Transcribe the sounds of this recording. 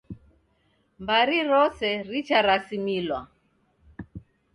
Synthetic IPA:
mbaɾiɾɔsɛɾit͡ʃaɾasimilwa̰

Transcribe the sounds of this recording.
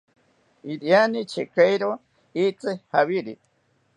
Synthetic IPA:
iɾjanit͡ʃʰekajɾo | it͡sɨhaβiɾi

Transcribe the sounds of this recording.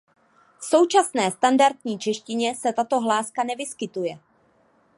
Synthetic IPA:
fso̞wt͡ʃasnɛːst̪andaɾt̪ɲiːt͡ʃɛʃcɪɲɛsɛt̪at̪o̞ɦlaːskanɛvɪskɪt̪ujɛ

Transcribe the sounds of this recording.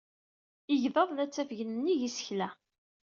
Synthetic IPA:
ɪʝðəðˤlæt͡sːæfʝənənːiʝisə̥çlæ

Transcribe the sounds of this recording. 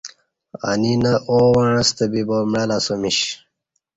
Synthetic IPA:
a̰ninɐʔowɐɳɐst̪ɐbibomɻɐlasomiɕ

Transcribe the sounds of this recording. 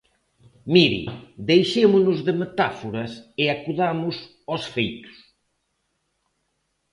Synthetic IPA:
miɾḭd̪ejʃemʊnʊzðɪmet̪afoɾɐsɪakuðamʊs | ɔsfejt̪ʊ̥s

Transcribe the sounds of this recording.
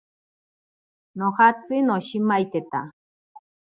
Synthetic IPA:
nohat͡sɨnoɕimajt̪et̪a̰

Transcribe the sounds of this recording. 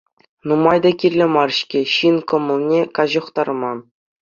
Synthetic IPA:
numɑjd̪ɑkʲirʲlʲɘ̆mɑrɕkʲeɕinkɤ̆mɤ̆lˠnʲekɑʑɤ̆χt̪ɑrmɑn

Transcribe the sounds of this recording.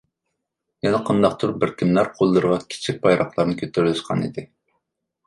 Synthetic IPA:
jɛnɛqʰɑnd̪ɑq̚t̪ʰuɾbɪɾk̪ʲʰimlæɾqʰolˠːɨɾʁɑkʲʰi̥t͡ʃʰik̚ʲpɑjɾʔɑχlˠɑɾnɨkʲʰøt̪ʰøɾlɪʃqʰɑnḭd̪ɪ

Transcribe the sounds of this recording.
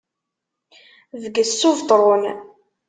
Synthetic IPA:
ðəɡəsːʊvt̪ˤɾˤon

